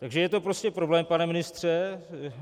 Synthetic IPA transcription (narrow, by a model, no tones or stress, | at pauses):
t̪aɡʒɛjɛt̪o̞pɾo̞scɛpɾo̞blɛːmpanɛmɪnɪst̪r̝̥ɛ